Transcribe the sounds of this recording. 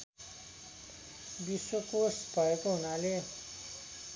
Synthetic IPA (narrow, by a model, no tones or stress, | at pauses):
biswokosbʱʌekoɦunale